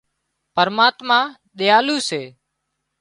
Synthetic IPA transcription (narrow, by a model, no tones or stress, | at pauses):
pəɾmaːt̪maː | ɗ̪ɪjaːluːseː